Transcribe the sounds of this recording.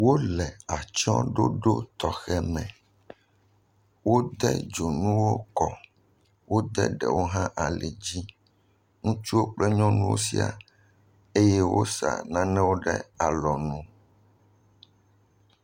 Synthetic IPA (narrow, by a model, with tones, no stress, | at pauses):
wo˦lɛ˨a˨t͡ʃɔ̰̃˦ɖo̰˦ɖo˦t̪ɔ˨xɛ˦mɛ̃˨ | wo˦d̪ɛ̰˦d͡ʒo˨nũ˦wo˦kɔ˨ | wo˦d̪ɛ̰˦ɖɛ̰˨wo˦ɦã˦ʔa˨lɛ˨d͡ʑi˦ | ŋũ˦t͡ʃu˦wo˦k͡plɛ˦ɲɔ̃˦nũ˦wo̰˦sḭ˦a̰˨ | e˦jɛ˦wo̰˦sa̰˨nã˦nɛ̃˦wo˦ɖɛ̰˦a˨lɔ˨nũ˦